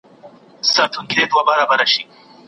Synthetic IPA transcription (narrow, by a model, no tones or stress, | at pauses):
sɐt̪ʰuŋɡiɾed̪wabɐɾabɐɾaʃi